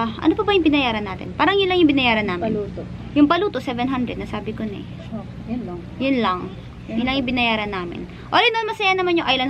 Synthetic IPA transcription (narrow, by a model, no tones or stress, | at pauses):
ʔɐ̰nopɐbɐjʊŋbɪnɐjaːɾɐnːaːt̪ɪ̰npaːɾɐŋjʊnlɐŋjʊŋbɪnɐjaːɾɐnːaːmɪ̰ut̪jʊŋpɐluːt̪osɛvɛnɦand̪ɾɛd̪̚ɐsaːbɪkonɛ̰ | j | jʊnlɐŋ | jʊnlːɐŋjʊŋbɪnɐjaːɾɐnːaːmɪ̰n | ʔoːlɛnoʔɐnmɐsɐjanɐmanjʊŋʔajlɐn